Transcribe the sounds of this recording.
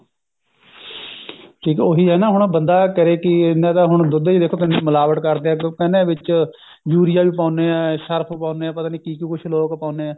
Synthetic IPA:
ʈʰiːkːoːɦiːɦɛːnaːɦʊɳ̃bənd̪aːkəɾeːkɪɪnːãːd̪aːɦʊɳ̃d̪ʊd̪eːid̪eːkʰoːt̪ɪnemʊlaːʋəʈ̪kəɾd̪eːɛ̃ːkənẽːʋɪt͡ʃ | d͡ʒuːɾɪjaːʋiːpaːneːɛːʃəɾpʰpãːʊneːɛːpət̪aːniːkiːkikʊt͡ʃʰloːkpãːneːɛː

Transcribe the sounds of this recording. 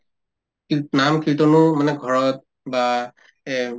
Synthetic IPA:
knamkitɔnʊmanɛɡʱɔɹɔt̚ | ba

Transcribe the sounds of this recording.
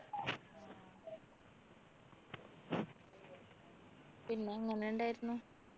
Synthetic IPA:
pinːe̞ɐŋːɐneuɳɖaːjiɾunːu

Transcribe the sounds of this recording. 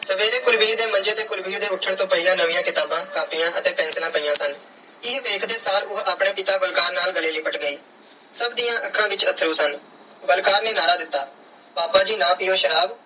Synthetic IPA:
səʋeːɾeːkʊɾʋiːɾd̪eːmənd͡ʒeːd̪eːkʊɾbiːɾd̪eːʊʈʰːəɳt̪õːpəɪlãːnəʋĩːjãːkɪt̪aːbãːkaːpɪjãːʔət̪eːpɛ̃ːnslãːpəiːãːsən | ɪɦʋeːkʰd̪eːsaːlʊɦaːpɳeːpɪt̪aːbəlkaːɾnaːlɡəleːləiːbəʈɡəiː | səbd̪iːjãːʔəkʰːãːbɪt͡ʃət̪ʰːɾuːsən | bəlkaːɾneːnaːɾaːd̪ɪt̪ːaː | baːpaːd͡ʒiːnãːpɪjoːʃəɾaːb

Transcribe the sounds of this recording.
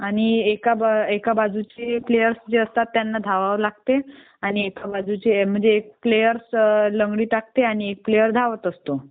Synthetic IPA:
aɽ̃iekabekabad͡zut͡ɕeplejəɾsd͡ʑeəst̪at̪ːjanːad̪ʱaʋaʋəɾlaɡ̚t̪e | aɽ̃iekabad͡zut͡ɕem̤əɳd͡zeːk̚plejəɾsləŋɡɽiːt̪ak̚t̪eaɽ̃iek̚plejəɾd̪ʱaʋət̪əst̪o

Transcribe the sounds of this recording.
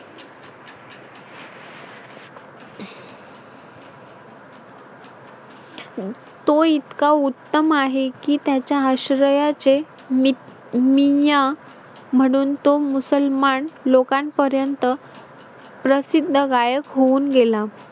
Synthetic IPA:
t̪oit̪kaut̪ːəmaɦekiːt̪jat͡ɕjaəɕɾəjat͡se | mija | m̤əɽ̃uːnt̪omusəlmanlokanpəɾjənt̪ə | pɾəsid̪ʱːəɡajəkɦouːnɡela

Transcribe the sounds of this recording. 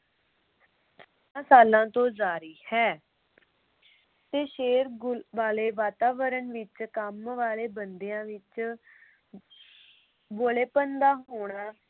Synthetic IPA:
ãːsaːlãːt̪õːzaːɾiːhɛː | t̪eːʃeːɾʋaːleːʋaːt̪aːʋəɾənʋɪt͡ʃkəmʋaːleːbənd̪ejãːʋɪt͡ʃ | boːleːpənd̪aːɦoːɽ̃aː

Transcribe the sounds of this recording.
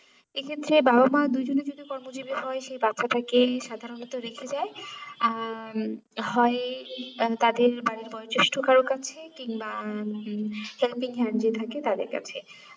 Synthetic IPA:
ekʰet̪ːɾebabamad̪ujd͡ʑoned͡ʑod̪iokɔɾmod͡ʑibiɦɔeʃejbatːʃaʈakeʃad̪ʱaɾonɔt̪oɾekʰed͡ʑae | ɦɔe | t̪ad̪eɾbaɽiɾbɔjot͡ɕeʃʈʰokaɾokat͡ɕʰekiŋba | helpiŋɦɛnd͡ʑet̪ʰaket̪ad̪ḛɾka̰t͡ɕʰe

